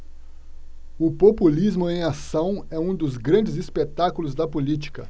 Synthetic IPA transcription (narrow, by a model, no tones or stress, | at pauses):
ʊpopulizmʊẽj̃asɐ̃w̃ɛũd̪ʊzɡɾɐ̃nd͡ʒɪzispet̪akʊlʊzd̪ɐpolit͡ʃi̥kɐ